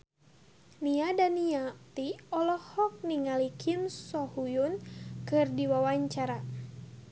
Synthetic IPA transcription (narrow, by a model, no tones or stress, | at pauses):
niadaniat̪iɔlɔhɔk̚niŋalikʰimsɔhujunkɨrdiwawaɲt͡ʃaɾa